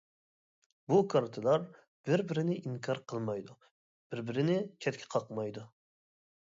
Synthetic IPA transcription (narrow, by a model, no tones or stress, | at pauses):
bukʰɑɾt̪ʰɨlˠɑɾ | b̥ɪɾbɪɾɪnɪʔiŋkʰɑɾqʰəlˠmɑjd̪u | b̥ɪɾbɪɾɪnɪt͡ʃʲʰɛt̪̚kʲʰɛ̥qʰɑqmɑjd̪u